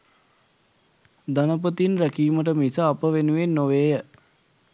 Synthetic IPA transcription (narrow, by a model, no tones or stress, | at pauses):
d̪anəpət̪inɾækiːməʈ̬əmisəapəʋenuʋenːoʋeːjə